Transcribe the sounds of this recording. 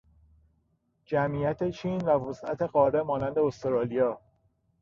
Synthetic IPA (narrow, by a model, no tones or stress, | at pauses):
d͡ʒæmiːjæt̪ʰe̞t͡ʃʰiːnvævosæ̰t̪ʰe̞ɢɒːɾemɒːnænd̪eost̪oɾɒːlijɒː